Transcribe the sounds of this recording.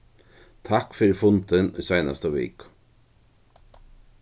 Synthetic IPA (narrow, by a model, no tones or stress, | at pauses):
t̪ʰakfɪɾɪɾfʊnt̪ɪnɔ̰jsajna̰st̪avɪ̰ːk